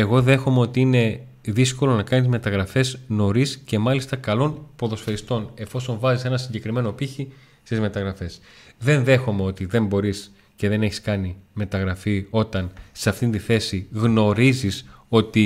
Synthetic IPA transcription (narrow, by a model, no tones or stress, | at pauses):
e̞ɣo̞ðe̞xo̞meot̪iine̞ | ðisko̞lo̞nɐkɐnizme̞t̪ɐɣɾɐfe̞zno̞ɾisce̞mɐlist̪ɐkɐlo̞npo̞ðo̞sfe̞ɾist̪o̞ne̞fo̞so̞ɱvɐzise̞nɐsiɲɟe̞kɾime̞no̞piçi | st̪izme̞t̪ɐɣɾɐfe̞s | ðe̞nðe̞xo̞me̞o̞t̪iðe̞mbo̞ɾis | ce̞ðe̞ne̞çi̥skɐnime̞t̪ɐɣɾɐfio̞t̪ɐnseɐft̪int̪iθe̞siɣno̞ɾiziso̞t̪i